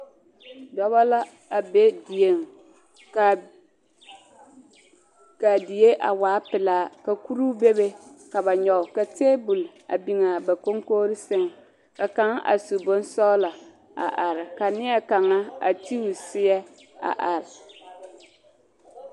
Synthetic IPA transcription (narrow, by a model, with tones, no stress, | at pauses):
dɔ˦βa˦la˦ | a˨be˦di˨e˨ŋ | k | ka˨di˨je˦ʔa˨waː˨˦pɪ˨laː˨˦ka˨ku˦ɾu˦be˦be˦ka˨βa˨ɲɔ˨ka˨te˦bu˨la̰˨bi˨ŋa˨ba˨ko˦ŋkoː˦ɾɪ˦sɪ˦ŋ˨ | ka˨ka˦ŋa̰˨su˨bʊ˦n˦sɔ˦la˨ | a̰˨ʔa˨ɾɪ˨ka˨nɪ˦ɛ˦ka˨ŋa˦a̰˨ti˦wu˨sɪ˦ɛ˦ | a̰˨ʔa˨ɾɪ˨